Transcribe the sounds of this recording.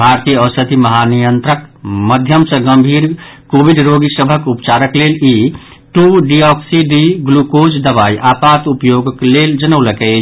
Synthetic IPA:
bʱaɾt̪ijəəsət̪iməɦanijənt̪ɾəkməd̪ʱjəmsə̃ɡəmbʱiɾkobiɖɾoɡisəbʱəkupt͡ʃaɾəkleli | ʈuɖiɔksiɖiɡlukot͡ʃd̪əbaiʔapat̪upjoɡəkleld͡ʒənəwləkɛ

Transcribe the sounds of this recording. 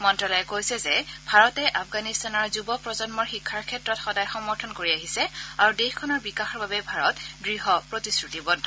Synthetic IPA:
mɔntɹalɔjɛkojsɛzɛbʱaɹɔtɛʔafʰɡanistanɔɹzubɔpɹɔzɔnmɔɹxikʰːaɹkʰɛtɹɔtxɔdajxɔmɔɹtʰɔnkoɹiaɦisɛaɹudexkʰɔnɔɹbikaxɔɹbabɛbʱaɹɔtdɹiɦɔpɹotiskɹutibɔd

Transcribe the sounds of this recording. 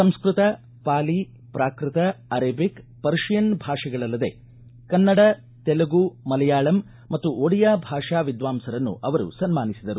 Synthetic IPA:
sɐmskɾut̪ɐ | paːli | pɾaːkɾɪt̪ɐɐɾɐːbikpɐɾʂjɐnbʱaːʂɐɡɐɭɐlːɐd̪e̞̰ | kɐnːɐɽɐ | t̪ɛlɐɡumɐlɐjaːɭɐmː | ɐt̪ːuʔoɽijaːbʱaːʂaːʋid̪ʋaːmsɐɾɐnːṵʔɐʋɐɾṵsɐnmaːnisid̪ɐɾu

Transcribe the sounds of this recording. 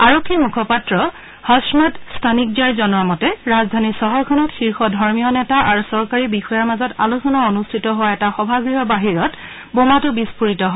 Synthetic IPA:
aɹokʰːimukʰɔpatɹɔ | hɔsmatstʰanik̚diaɹzɔnɔɹmɔtɛɹazdʱanisɔɦɔɹkʰɔnɔtxiɹxɔdʱɔɹmijɔnɛtaʔaɹusɔɹkaɹibixɔjaɹmazɔta̰lusɔnaonustʰitɔɦowaɛtaxɔbʱaɡɹiɦɔbaɦiɹɔt | bomatʊbispuɹitɔɦɔ

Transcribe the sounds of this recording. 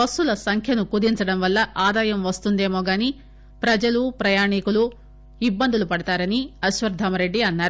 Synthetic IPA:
ɐsulɐsɐŋkʰjɐnukud̪iɲt͡ʃɐɽɐmʋɐlːɐʔaːd̪aːjɐmʋɐst̪und̪e̞ːmo̞ːɡaːniː | pɾɐd͡ʒɐlupɾɐjaːɳikulu | ibːɐnd̪ʱulupɐɽɐt̪aːɾɐniɐʃʋɐɾd̪ʱɐmɐɾe̞ɖːiɐnːaːɾu

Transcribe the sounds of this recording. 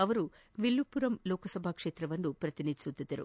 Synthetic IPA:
ɐʋɐɾu | ʋilːupːuɾɐmlɔːkɐsɐbʱaːkʂe̞ːt̪ɾɐʋɐnːupɾɐt̪inid̪ʱisut̪ːid̪ːɐɾṵ

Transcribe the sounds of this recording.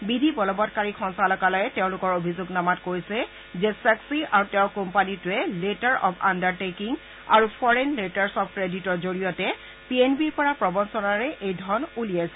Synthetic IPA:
bidʱibɔlɔbɔtkaɹikʰɔnsalɔkalɔjɛteʊ̃lʊkɔɹobʱizʊɡnamatkoɹisɛ | zɛsɛksiʔaɹutɛ̃kompanitʊɛletaɹʔɔ̰pʰa̰ndaɹtekiŋ | a̰ɹupʰɔɹenletaɹsɔpʰkɹeditɔɹzoɹijɔtɛ | pienbiɹpɔɹapɹɔbɔnsɔnaɹɛʔejdʱɔɹnulijajsɛ

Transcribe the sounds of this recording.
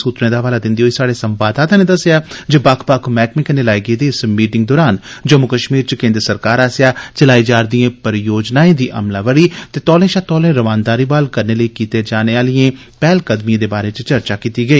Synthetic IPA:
suːt̪ɾẽːd̪aːʋaːlaːd̪ɪ̃nd̪ioːisaːɽeːsəmbaːd̪aːt̪ãːneːd̪əsɪjaːd͡ʒebaːkʰpaːkʰmɛːkmɪkneːlaːjɡeːd̪eːɪsmiːʈɪ̃ŋɡ̚d̪ɔːɾaːnd͡ʒəmʊkəʃmiːɾt͡ʃkẽːnd̪ɾəsəɾkaːɾaːsɪjaːt͡ʃəlaːiːd͡ʒaːɾd̪ijẽːpəɾjoːd͡ʒnaːẽːd̪iːʔə̰mlaːʋəɽiːt̪eːt̪ɔːlẽːʃaːt̪ɔːlẽːɾəʋaːnd̪aːɾiːbaːlkəɾneːləiːkiːt̪eːd͡ʒaːneːaːlijẽːpɛːlkəd̪mijẽːd̪eːbaːɾeːt͡ʃt͡ʃəɾt͡ʃaːkiːt̪iːɡəiː

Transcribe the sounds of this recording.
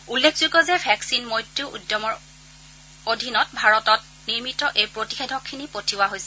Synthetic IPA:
ulːekʰzukɔzɛbʰʱɛksinmojtːuʔṵdjɔmɔɹ | odʱinɔt̚bʱaɹɔtɔt̚ | niɹmitɔʔejpɹoti̥xedʱɔkʰːinipotʰiwaɦojsɛ

